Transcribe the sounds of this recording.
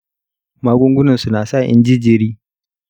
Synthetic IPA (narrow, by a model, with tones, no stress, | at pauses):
maː˦ɡʷʊ˦ŋɡʷʊ˦nɐ˨su˨naː˨sa˦˨ʔɪ̰˦nd͡ʒɪ˦d͡ʒɪ˨ɾiː˦